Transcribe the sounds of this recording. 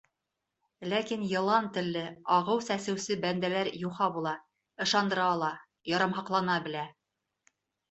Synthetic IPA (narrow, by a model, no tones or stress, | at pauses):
lækinjɤ̆lˠɑnt̪ɘ̆lːɘɑʁɤwsæsɘ̆wsɘbænd̪ælæɾjuχɑbulˠɑ | ɤ̆ʃɑnd̪ɤ̆ɾɑːlˠɑ | jɑɾɑmɦɑqlˠɑnɑbɘ̆læ